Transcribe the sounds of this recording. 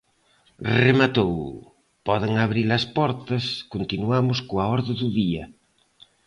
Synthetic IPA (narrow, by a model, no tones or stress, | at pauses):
remat̪ow | pɔðeŋaβɾiɾlɐspɔɾt̪ɐskont̪inuamʊskoaɔɾðɪðuðiɐ